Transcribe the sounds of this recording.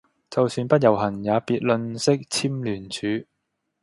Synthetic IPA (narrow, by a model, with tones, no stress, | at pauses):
t͡sɐ˨wsyː˧npɐ˥t̚jɐ˨˩wɦɐ˨˩njaː˨˧piː˨t̚lɵ˧nsɪ˥k̚t͡sʰiː˥mlyː˨˩nt͡ʃʰyː˨˧